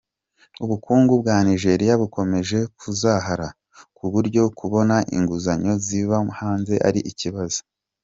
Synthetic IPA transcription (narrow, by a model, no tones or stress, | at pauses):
uβukuːŋɡubɡaːniʒe̞ːɾijaβuko̞me̞ʒe̞kʰuzaɦaɾa | kuβuɾɟo̞kuβo̞naʔḭŋɡuzaɲo̞ziβahaːnze̞ʔa̰ɾiʔiciβazo̥